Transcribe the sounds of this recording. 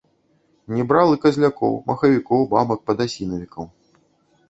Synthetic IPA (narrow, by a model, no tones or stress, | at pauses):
nʲɛbɾalˠɨkɐzʲlʲakɔ̰wmɐxɐvʲikɔwbabɐk̚pɐd̪asʲinɐvʲikɐw